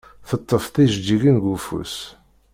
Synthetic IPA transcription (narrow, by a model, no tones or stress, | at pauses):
θət̪ˤːəfθiʒd͡ʒiɡənɡufṵs